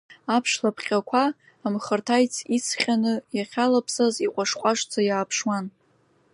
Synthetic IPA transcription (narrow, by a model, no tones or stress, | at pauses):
apʰʂlapʰχʲʼakʷʰaː | mχərtʰajt͡sʰit͡sʰχʲanɨjaχʲalapʰsaziqʷʼaʂqʷʼaʂt͡sʰajaːpʰʂwan